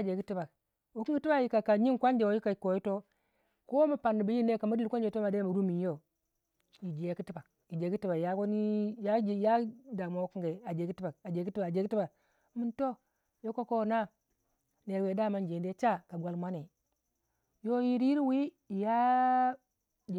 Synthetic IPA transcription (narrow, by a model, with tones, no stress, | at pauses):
a˨d͡ʒe˨ki˦ti˦ba˨k̚ | wo˨ki˦ŋɡti˦ba˨ji˨ka˨ka˨ɲi˦kʷa˦n˦d͡ʒe˨wo˨ji˦ka˨i˨ko˨ji˦to˦ | ko˦ma˨pa˨nːi˨ba˨ji˦n˦e˦ka˨ma˦di˦lkʷa˦nd͡ʒe˨to˦ma˨de˦˨mu˨ɾu˦mi˨˦o˦ | ji˨d͡ʒi˨je˨ki˦ti˦ba˨k | i˨d͡ʒe˨˦ki˦ti˦ba˨ja˦ko˦ni˦ja˦˨ja˦da˨ma˨wo˦ki˦ŋɡe˨a˨d͡ʒe˨ki˦ti˦ba˨a˨d͡ʒe˨˦ki˦i˦ba˨d͡ʒe˨˦ki˦ti˦ba˨˦ | mu˨nto˦ | jo˦ko˦ko˦˨na˦ | ne˨ɾwe˨da˦˨ma˦nd͡ʒe˨n˦de˦t͡ʃa˦ka˨ɡʷa˨lmʷa˦ne˨ | jo˦ji˦ɾi˦ɾi˦wi˦˨ | ja˦˨